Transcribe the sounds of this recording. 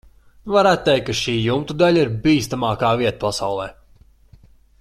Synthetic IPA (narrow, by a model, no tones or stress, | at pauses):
vaɾæːt̪̚t̪ːejkːaʃiːjumt̪ud̪aʎʲaiɾbiːst̪amaːkaːviɛt̪ḁpasawlˠɛː